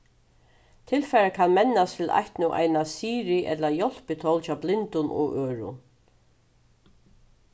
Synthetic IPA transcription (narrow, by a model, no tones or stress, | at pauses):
t̪ʰɪlfɛɾakʰanmɛnːast̪ʰɪla̰jht̪nʊʔa̰jnasiːɾɪʔɛ̰t̪lajɔl̥pɪt̪ʰɔwlt͡ʃʰaːwblɪnt̪ʊnʔɔ̰ɣøːɹʊ̰